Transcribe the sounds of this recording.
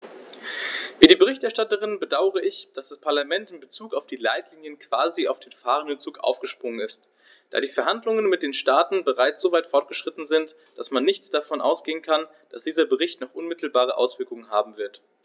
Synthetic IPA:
viːɾiːbəʁɪçtɛɐʃtatəʁɪnbədaʊəʁəɪçd̥asd̥aspʰaɐlamɛntɪmbət͡suːkaʊfd̥iːlaɪtʰliːnjənkv̥aːziaʊfd̥eːnfaːʁəndənt͡suːkʔa̰ʊfɡ̥əʃpʁ̥ʊŋənɪst | d̥a̰ːdiːfɛɐɦandlʊŋənmɪt̚d̥eːnʃtaːtn̩bəʁaɪt͡sz̥oːvaɪtfɔɐt̚ɡ̥əʃʁ̥ɪtn̩zɪnt | d̥asmanːɪçt͡sd̥afɔnʔa̰ʊsɡ̥eːənkʰan | d̥asd̥iːzɐbəʁɪçtnɔχʔʊnmɪtl̩baːʁəʔa̰ʊsv̥ɪɐkʊŋənɦa̰ːbm̩vɪɐt

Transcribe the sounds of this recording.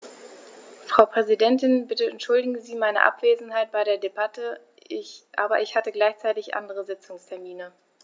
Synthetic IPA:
fʁ̥aʊpʁ̥ɛzidɛntɪnbɪtəɛntʃʊldɪɡŋəziːmaɪnə̰ʔa̰pv̥eːzn̩ɦaɪt̚b̥aɪɾeːɐdebatʰə | ʔa̰ːbɐ̰ʔɪçhatəɡlaɪçt͡saɪtɪçʔa̰ndəʁəzɪt͡sʊŋstʰɛɐmiːnə

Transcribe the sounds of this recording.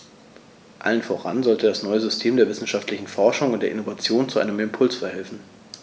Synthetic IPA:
ʔa̰lənfoːʁa̰nzɔltədasnɔʏəzʏstʰeːmdeːɐvɪsn̩ʃaftʰlɪçn̩fɔɐʃʊŋʊnt̚d̥eːɐʔɪnovat͡sjoːnt͡suʔa̰ɪnəmɪmpʰʊlsfɛɐhɛlfn̩

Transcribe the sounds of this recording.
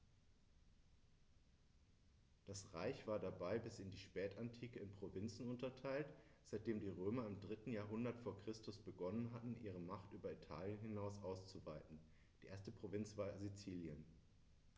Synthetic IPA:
d̥asʁa̰ɪçv̥aːɐdabaɪbɪsɪndiːʃpɛːtantʰiːkəɪnpʁ̥ovɪnt͡sn̩ʊntɐtʰaɪltz̥aɪt̚d̥eːmdiːʁøːmɐɪmdʁɪtn̩jaːɐɦʊndɐtfoːɐkʁ̥ɪstʊsb̥əɡɔnənɦatn̩ʔiːʁ̞əmaχtʔyːbɐitʰa̰ːljənɦɪnaʊsʔaʊst͡suvaɪtn̩ | d̥iːʔeɐstəpʁ̥ovɪnt͡sv̥aːɐzit͡siːljən

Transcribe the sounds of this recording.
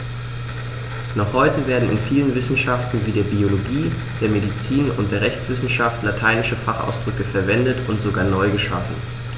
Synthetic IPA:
nɔχhɔʏtəveːɐdn̩ɪ̰nfiːlənvɪsn̩ʃaftn̩viːdeːɐbioloɡiː | d̥eːɐmedit͡siːnʊ̰ntd̥eːɐʁɛçt͡sv̥ɪsn̩ʃaftlatʰaɪnɪʃəfaχa̰ʊsd̥ʁʏkəfɛɐvɛndətʊntz̥oɡaːɐnɔʏɡəʃa̰fn̩

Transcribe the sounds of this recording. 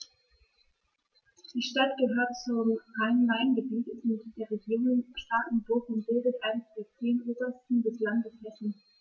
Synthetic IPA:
d̥iːʃtatɡ̥əɦøːɐtt͡sʊmaɪnʁaɪnɡəbiːtɪstmɪtd̥eːɐʁeɡjoːnʃtaːtn̩bʊɐfʊntb̥ɪldətʔaɪnəsd̥eːɐt͡seːnʔoːbɐstn̩dɛslandəshɛsn̩

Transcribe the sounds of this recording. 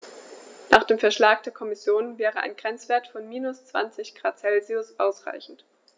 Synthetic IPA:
naːχd̥eːmfɛɐʃlaːk̚d̥eːɐkʰɔmɪsjoːnvɛːʁəʔa̰ɪnɡ̥ʁɛnt͡sv̥eːɐtfɔnmiːnʊst͡sv̥a̰nt͡sɪçɡ̥ʁaːt͡sɛlziʊsʔaʊsʁ̥a̰ɪçn̩t

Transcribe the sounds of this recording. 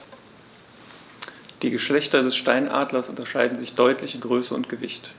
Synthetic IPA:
d̥iːɡəʃlɛçtɐdɛsʃtaɪnʔa̰ːdlɐsʔʊntɐʃaɪdn̩zɪçd̥ɔʏtʰlɪçɪnɡʁøːsəʊ̰ntɡ̥əvɪçt

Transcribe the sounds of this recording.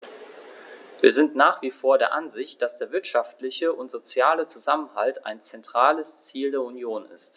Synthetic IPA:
viːɐzɪntnaːχv̥iːfoːɐdeːɐʔanzɪçt̚d̥asd̥eːɐvɪɐtʃaftlɪçəʔʊntz̥ot͡sjaːlət͡suzamənha̰lta̰ɪnt͡sɛntʁ̥aːləst͡siːldeːɐunjoːnɪ̰st

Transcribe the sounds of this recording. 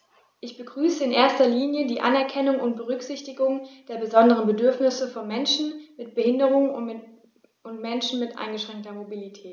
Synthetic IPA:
ʔɪçb̥əɡʁyːsəɪnʔḛːɐstɐliːnjədiːʔa̰nɛɐkʰɛnʊŋʊntb̥əʁʏkz̥ɪçtɪɡʊŋd̥eːɐbəzɔndəʁənbədʏɐfnɪsəfɔnmɛnʃn̩mɪtb̥əhɪndəʁʊŋ | ʊntmɛnʃn̩mɪtʔa̰ɪnɡəʃʁ̥ɛŋk̚tɐmobilitʰɛːt

